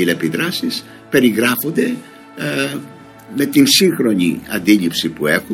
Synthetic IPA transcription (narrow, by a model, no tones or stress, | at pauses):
ilepiðɾɐsis | pe̞ɾiɣɾɐfo̞nd̪e̞ | me̞t̪insiŋxɾo̞ɲḭɐ̰nd̪iʎipsipue̞xu